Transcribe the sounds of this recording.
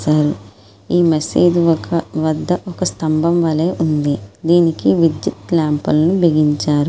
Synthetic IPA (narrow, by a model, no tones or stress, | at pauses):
saːɾu | iːmɐsiːd̪iʋɐkɐʋɐd̪ːɐʔɔkɐst̪ɐmbʱɐmʋɐleːʔund̪id̪iːnikiʋid̪jut̪laːmpɐlɐnubeɡiɲt͡ʃaːɾu